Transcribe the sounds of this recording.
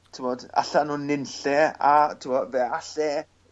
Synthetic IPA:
tʰɪmɔd̥a̰ɬanuːnːɪnɬɛatʰɪmɔvɛaɬɛ

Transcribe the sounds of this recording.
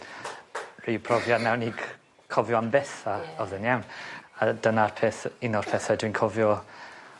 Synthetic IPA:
ripʰrɔvjanɛwniːɡ | kʰɔvjɔambɛθaɔðənjawnad̥ənarpʰeːθɪnɔrpʰɛθadwinkʰɔvjɔ

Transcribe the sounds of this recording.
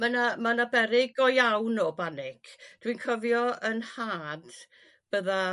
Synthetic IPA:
manamanabɛɾɪɡɔjawnɔbanɪkd̥winkʰəvjɔənhaːd̥ | b̥əða

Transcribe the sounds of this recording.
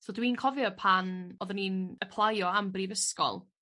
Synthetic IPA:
soːdwinkʰɔvjɔpʰanɔðɔninəpʰlˠajɔambrivəskɔ̰lˠ

